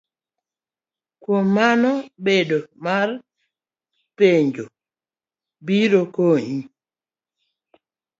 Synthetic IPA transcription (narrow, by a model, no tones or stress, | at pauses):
kwomːanɔbedomar | peɲd͡ʒo | biɾokoɲi